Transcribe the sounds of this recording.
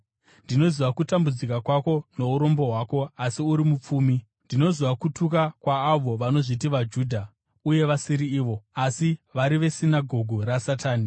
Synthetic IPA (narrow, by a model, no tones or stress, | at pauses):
ndino̞ziʋakutambud͡zikakwako̞no̞uɾo̞mbo̞ɦwaːkoasiuɾimup͡fuːmi | ndino̞ziʋakutuk̬akwaːʋo̞ʋano̞ʐit̬iʋad͡ʒuːdʱa | uje̞ʋasiɾiːʋo̞asiʋaɾiʋe̞sinaɡʱo̞ɡʱuɾasataːni